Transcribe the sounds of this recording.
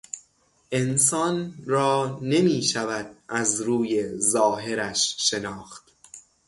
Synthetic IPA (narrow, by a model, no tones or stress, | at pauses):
ʔe̞nsɒːnrɒːne̞miːʃævæd̪̚ʔæzɾuːje̞zɒːɦe̞ɾæʃːe̞nɒːxt̪